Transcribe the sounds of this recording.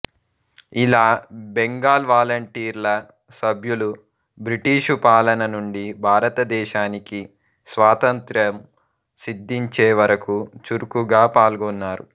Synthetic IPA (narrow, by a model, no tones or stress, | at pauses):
ilaːbeŋɡaːlʋaːlɐɳʈiːɾlɐ | sɐbʱjulu | bɾiʈiːʃupaːlɐnɐnuɳɖibʱaːɾɐt̪ɐd̪ɛːʃaːniki | sʋaːt̪ɐnt̪ɾɐm | sid̪ːiɲt͡ʃeːʋɐɾɐkut͡ʃuɾukuɡaːpaːlɡɔnːaːɾu